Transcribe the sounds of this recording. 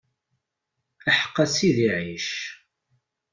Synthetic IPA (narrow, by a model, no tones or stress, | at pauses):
əħə̥qːæsiðiʕiʃ